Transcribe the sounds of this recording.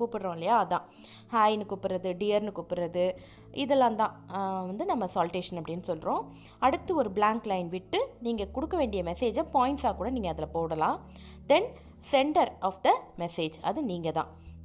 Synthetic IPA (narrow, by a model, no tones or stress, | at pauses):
kuːpːɪɽɾõːɪlːɐjaːɐðãː | haːjnɯkuːpːɪɾɐðɯɖɪjɐɾnɯkuːpːɪɾɐðɯ | ɪðɛlːãːnt̪ãːʋɐnd̪ɯnɐmːɐsaːlʈeːʂɐnɐpːɐɽɪnːɯsɔlːɾõː | ɐɽɯt̪ːɯɔɾɯblaːŋklɐɪnʋɪʈːɯniːŋɡɐkʊɽɯkːɐʋeːɳɖɪjɐmɛseːd͡ʒɐpaːjɪɳʈsaːkuːɽɐniːŋɡɐðɪlɐpoːɽɐlãː | d̪ɛn | sɛɳɖɐɾɔːfd̪ɐmɛseːd͡ʒɐ̰ðɯniːŋɡɐt̪ã̰ː